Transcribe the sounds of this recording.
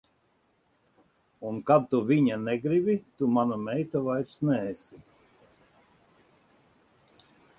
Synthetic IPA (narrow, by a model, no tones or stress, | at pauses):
unkad̚t̪uvʲiɲanɛɡɾibit̪umanumɛjt̪avajɾsnɛːsi